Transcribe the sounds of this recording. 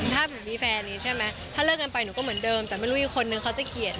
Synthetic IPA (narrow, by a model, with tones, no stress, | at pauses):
t̪ʰaː˥˩bːmiː˧fɛː˧nːiː˦˥t͡ɕʰa˥˩jma˦˥t̪ʰaː˥˩lɤː˥˩k̚ka˧npa˧jnuː˧˦kɔ˥˩m˩˦ndɤː˧mt̪ɛː˨˩ma˥˩jɾuː˦˥ʔi˨˩kʰːo˧nːɯ˨˧ŋkʰa˦˥wt͡ɕa˨˩ki˨˩ət̪̚